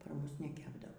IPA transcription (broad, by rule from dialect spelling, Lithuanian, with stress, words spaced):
pɐr ˈmʊs nʲɛˈkʲæːbdɐʋoː